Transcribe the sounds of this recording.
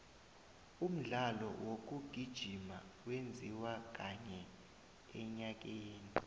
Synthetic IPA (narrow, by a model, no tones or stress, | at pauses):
um̩ɮalɔ̰wok̬uɡ̥ʱid̥ʒ̥ʱima̰wend͡zʱiwak̬aɲɛ | ɛɲak̬eːni